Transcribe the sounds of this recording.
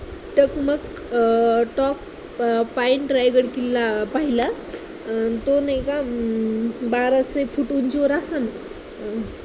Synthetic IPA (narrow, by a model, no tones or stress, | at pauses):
ʈəkməɡ | ʈɔk̚ | pajnɖɾajɡəɾkilːapaɦila | t̪onekã | baɾasefuʈunt͡ɕoɾasən